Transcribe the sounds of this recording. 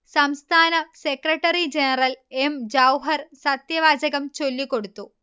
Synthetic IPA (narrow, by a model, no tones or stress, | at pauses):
sɐmst̪ʰaːnɐsekrɐʈːɐrid͡ʑenɐrɐlemd͡ʑɐwɦɐrsɐt̪jɐʋaːd͡ʑɐɣɐmt͡ɕo̞lːikːo̞ɽut̪ːu